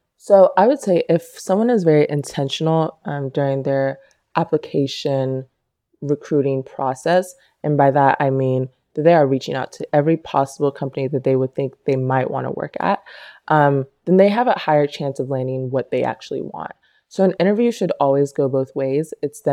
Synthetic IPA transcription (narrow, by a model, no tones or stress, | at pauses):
soʊʔaɪwɨd̥seɪʔɪfsʌ̃mwʌ̃nɨzvɛɹiʔɨ̃ntʰɛ̃nʃn̩l̩ˠʌ̃mdʊɹɪ̃ŋðə˞ | ʔæpləkʰeɪʃɨ̃n | ɹɨkʰɹ̥ʉɾɪ̃ŋpʰɹ̥ɑsɛs | ɨ̃nbaɪðəta̰ɪmĩn | ðɨt̪̚ðeɪə˞ɹit͡ʃɪ̃ŋaʊtʰɨʔɛvɹipʰɑ̰səbl̩ˠkʰʌ̃mpɨniðɨt̪̚ðeɪwəd̪̥̚θɪ̃ŋk̚ðeɪmaɪʔ̚wɑ̰̃ñʰə̰wɜ̰˞kɨ̰t̚ʔʌ̃mðɨ̃nðeɪɨvəhaɪə˞t͡ʃʰæ̃nsʌvlæ̃ndɪ̃ŋwʌt̪̚ðeɪʔæ̰k̚t͡ʃul̩ˠḭwɑ̰̃nt̚ | soʊɨ̃nɪ̃ɾ̃ə˞vjʉʃɨɾɔlˠwizɡoʊboʊθweɪzɨtsðɨ̃